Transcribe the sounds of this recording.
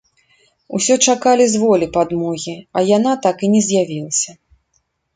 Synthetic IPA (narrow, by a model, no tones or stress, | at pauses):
usʲɔt͡ʂakalʲizvɔlʲipad̪mɔɣʲiɐjanat̪akinʲɛzʲjavʲilˠɐsʲɐ